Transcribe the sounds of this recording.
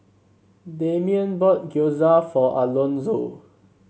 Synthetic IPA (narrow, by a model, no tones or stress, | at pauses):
dẽmiə̃nbɔt̚ɡjozafɔʔa̰lõnzo